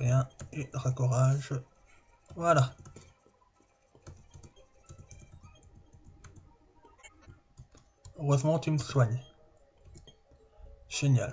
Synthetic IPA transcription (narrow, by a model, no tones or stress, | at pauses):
jɛ̃eʁakɔʁaʒ | vwala | øʁøzmɑ̃t̪imswaɲe | ʒ̥enja̰l